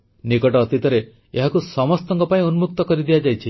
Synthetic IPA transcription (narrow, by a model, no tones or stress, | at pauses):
nikɔʈɔːt̪it̪ɔɾe | eɦakusɔmɔst̪ɔŋkɔpaĩunumuk̚t̪ɔkɔɾid̪ijad͡ʒajt͡ʃʰi